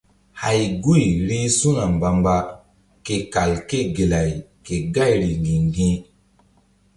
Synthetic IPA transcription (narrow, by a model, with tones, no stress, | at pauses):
ha˨jɡu˦˨jɾe˦su˦ŋa˨mba˨mba˦ | ke˨ka˨lke˦˨ɡe˨la˨jke˨ɡa˦˨jɾi˨ndĩ˨ŋɡĩ˦